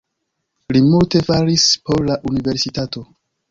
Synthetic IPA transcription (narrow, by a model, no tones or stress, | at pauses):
limulte̞faɾispo̞ɾlaʔunive̞ɾsitato̞